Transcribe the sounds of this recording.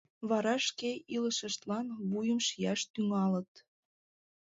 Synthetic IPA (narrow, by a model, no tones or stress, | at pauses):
βɑɾɑʃkeiləʃəʃt̪lɑnβujəmʃijɑʃt̪yŋɑlə̆t̪